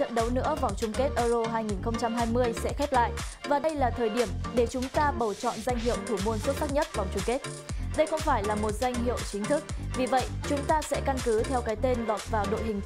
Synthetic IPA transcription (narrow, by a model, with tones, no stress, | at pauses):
t͡ɕə̰˧˨nɗə˨˦wnɨ̰˧˥əva˨˩wŋ͡mt͡ɕʊ˧ŋ͡mke˦˥t̚ʔəː˧zo˧ɦaː˧jŋi˨˩nxə˧wŋ͡mt͡ɕa˧mɦaː˧jmɨ˧əjsɛ̰˧˥xɛ˦˥p̚la̰ː˧˨jʔvaː˨˩ɗə˧jlaː˨˩t̪ʰəː˨˩jɗi˧˩əmɗe˧˩t͡ɕʊ˨˦ŋ͡mt̪aː˧ɓə˨˩wt͡ɕɔ̰˧˨nza˧jŋ̟ɦḭ˧˨ə˨wt̪ʰu˧˩mu˧ənsu˦˥t̚xaː˦˥k̚ɲə˦˥t̚va˨˩wŋ͡mt͡ɕʊ˧ŋ͡mke˦˥t̚ | ɗə˧jxə˧wŋ͡mfaː˧˩jlaː˨˩mo˨˩t̚za˧jŋ̟ɦi˧˨əwt͡ɕï˨˦ŋ̟t̪ʰɨ˦˥k̚vi˨˩və̰˧˨jt͡ɕʊ˨˦ŋ͡mt̪aː˧sɛ̰˧˥ka˧nkɨ˨˦t̪ʰɛ˧wkaː˨˦jt̪e˧nlɔ˨˩t̚vaː˨˩ɗo̰˧˨jɦï˨˩ŋ̟